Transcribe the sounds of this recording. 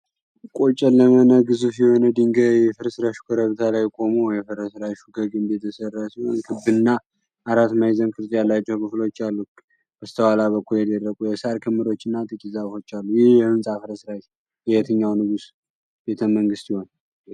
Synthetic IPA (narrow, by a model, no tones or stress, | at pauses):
kʼo̞t͡ʃʼɛlːəmənəɡɨzufjɛho̞nəd̪iŋɡəjɛfɨɾsɾaʃu̥kʰəɾəβt̪ʰalajkʼo̞muwjɛfɨɾəsɾaʃuɡəɡɨmbet̪ʰəsərːasihonkʰɨbɨɨnːa | ʔaɾat̪majzənkʼɨɾzʼjalːat͡ʃːɛwkʰɨflo̞t͡ʃːalːu | b̥əst̪ʰəwalaβəkːuljɛd̪ərːəkʼujɛsaɾkʰɨmːɨɾo̞t͡ʃːɨnːat̪ʼɨkʼizafo̞t͡ʃːalːujɪhjɛhɨnsʼafɨɾəsɾaʃ | jjɛt̪ʰɨɲːawnɨɡus | be̞t̪ʰəməŋɡɨst̪jiho̞n